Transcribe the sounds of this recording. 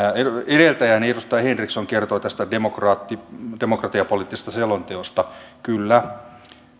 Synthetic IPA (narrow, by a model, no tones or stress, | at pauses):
eeɾelt̪æjænedust̪ɑjɑhenriksoŋkert̪oːt̪æst̪ædemokrɑːt̪ːidemokrɑt̪iɑpolit̪ːise̥st̪ɑselont̪eost̪ɑkylːæ